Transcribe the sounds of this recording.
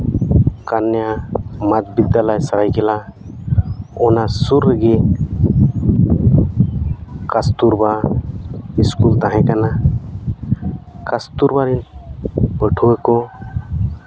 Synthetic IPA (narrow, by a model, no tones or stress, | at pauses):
kanjamad͡ʒbid̪jaləjsəɾajkela | onasuɾəɡe | kast̪uɾba | iskult̪aɦẽkana | kast̪uɾbaɾin | pəʈʰueko